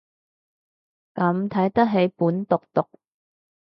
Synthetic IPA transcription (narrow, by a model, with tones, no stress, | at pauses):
kɐ˨˥mt̪ʰɐ˨˥jt̪ɐ˥k̚ɦe˨˥jpuː˨˥nt̪ʊ˨k̚t̪ʊ˨k̚